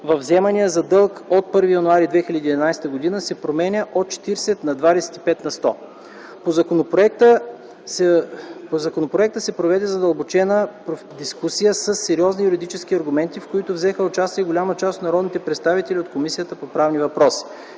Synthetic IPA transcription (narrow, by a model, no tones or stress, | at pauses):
vɐvzɛmɐnijəzɐd̪ɤlˠkot̪̚pɤɾvijɐnʊaɾid̪vɛxilʲəd̪iːd̪ɛnajst̪əɡod̪inəsɛpɾomɛnʲəʔot̪̚t͡ʃɛ̥t̪iɾsɛt̪nɐd̪vad̪ɛsɛ̥t̪i̥pɛt̪nɐst̪ɔ | pozkonpɾoɛkt̪ə | ozɐkonopɾoɛk̚t̪əsɛpɾovɛd̪ɛzɐd̪əlˠbot͡ʃɛnəpɾo | d̪iskusijəsəsːɛɾiɔznijuɾid̪it͡ʃɛskiɐɾɡʊmɛnt̪ifkoit̪ʊvzɛxəot͡ʃast̪iəɡolʲamət͡ʃast̪t̪nɐɾɔd̪nit̪ɛpɾɛt̪st̪avit̪ɛliot̪̚komisijət̪əpopɾavnivɐpɾɔsi̥